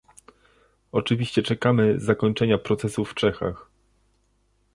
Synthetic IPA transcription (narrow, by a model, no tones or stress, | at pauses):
ɔt͡ʂɘvʲiɕt͡ɕɛt͡ʂɛkamɘzakɔɲt͡ʂɛɲapɾɔt̪sɛsufːt͡ʂɛxa̰x